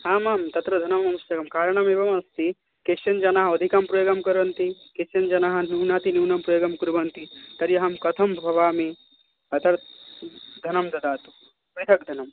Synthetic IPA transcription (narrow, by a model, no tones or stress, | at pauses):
haːmaːmt̪ɐt̪ɾɐd̪ʱɐnɐmːɐmusɐɡɐmkaːɾɳ̃ɐmeːʋɐmɐst̪i | keʃjɐnd͡ʒɐnaːɦɐɐd̪ʱikampɾɐjoːɡɐmkɐɾɐnt̪ikeʃɐnd͡ʒɐnaːɦɐ̆nuːnaːt̪inuːnɐmpɾɐjoːɡɐmkuɾbʱɐnt̪it̪ɐɾjɐɦɐmkɐt̪ʰɐmbʱɐʋaːme | ɐt̪ɐɾ | d̪ʱɐnɐmd̪ɐd̪aːt̪u̥ | pɾit̪ʰɐk̚d̪ʱɐnɐm